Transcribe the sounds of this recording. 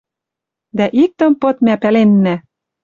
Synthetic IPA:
d̪æʔik̚t̪ɤ̆mpɤ̆t̪mæpælenːæ

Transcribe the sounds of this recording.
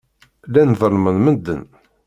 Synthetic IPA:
lænvəlmənmənd̪ːə̰n

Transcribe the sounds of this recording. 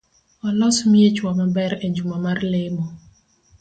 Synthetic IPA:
ɔlɔsmiet͡ʃwamabɛɾed͡ʒumamarlɪmɔ

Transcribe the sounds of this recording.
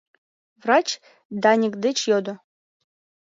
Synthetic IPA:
vrɑt͡ɕ | d̪ɑnʲikd̪et͡ɕjod̪ŏ

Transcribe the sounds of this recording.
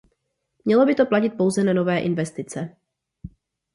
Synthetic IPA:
mɲɛlo̞bɪt̪o̞placɪt̪̚po̞wzɛnano̞vɛːʔɪnvɛst̪ɪt͡sɛ

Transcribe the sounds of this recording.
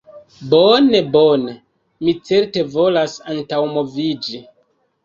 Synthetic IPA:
bonebo̞ne | mit͡se̞ɾte̞vo̞lasantawmo̞vid͡ʒi

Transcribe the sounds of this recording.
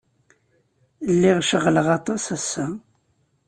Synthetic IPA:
lːiʁʃəʁləʁɑt̪ˤɑsæsːæ

